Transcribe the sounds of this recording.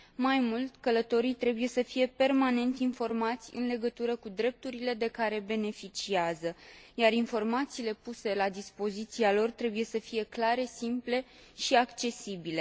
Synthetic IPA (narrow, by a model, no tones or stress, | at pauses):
majmult̪ʲkələt̪o̞ɾijt̪ɾe̞buje̞səfije̞pe̞rmane̞nt̪info̞rmat̪sʲɨ̰nle̞ɡət̪uɾəkud̪ɾe̞p̚t̪uɾile̞d̪e̞kaɾe̞be̞ne̞fit͡ʃiazəjarinfo̞rmat̪siːle̞puse̞lad̪ispo̞zit̪sialo̞rt̪ɾe̞buje̞səfije̞klaɾe̞simple̞ | ʃiakt͡ʃe̞sibile̞